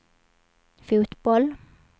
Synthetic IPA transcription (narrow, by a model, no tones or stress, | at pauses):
fʉːt̪bɔl